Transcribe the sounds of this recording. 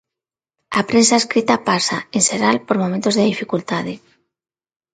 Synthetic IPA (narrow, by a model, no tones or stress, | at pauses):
apɾensaeskɾit̪apasa̰enseɾalpoɾmomẽnt̪ozðeðifikult̪aðe